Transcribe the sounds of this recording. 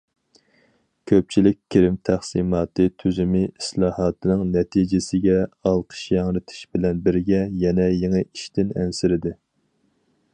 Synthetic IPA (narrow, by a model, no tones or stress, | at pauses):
kʲʰøp̚t͡ʃʰilɪk̚ʲkʲʰːeɾɪmt̪ʰæχsimɑːt̪ʰɨt̪ʰyzymɪislˠɑːhɑːt̪ʰɨnɨŋnɛt̪ʰid͡ʒɪsɪɡʲɛɑlˠqʰə̥ʃjɑŋɾɪt̪ʰɪ̥ʃbɪlɛnbɪɾɡʲɛjɛnɛjeŋɨʔiʃt̪ɪnɛ̰nsɪɾɪd̪ɪ